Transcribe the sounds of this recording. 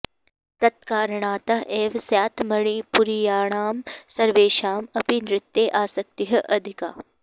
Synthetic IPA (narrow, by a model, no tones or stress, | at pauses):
t̪ɐt̪̚kaːɾɳaːt̪ɐɦeːʋsjaːt̪ʰmɐɳ̃ipuɾijaːɳ̃aːmsɐɾʋeːʃaːmɐpinɾɪt̪ːjeʔaːsɐk̚t̪iɦɐʔɐd̪ʱika̰ː